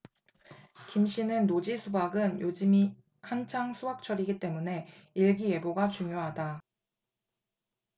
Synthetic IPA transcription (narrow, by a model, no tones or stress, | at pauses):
kimɕ͈ʰinɯnːod͡ʑisʰubaɡɯnjod͡ʑɯmi | hant͡ɕʰaŋsʰuak̚t͡ɕʰʌɾiɡit͈e̞mune̞iɭɡije̞boɡat͡ɕuŋjoɦada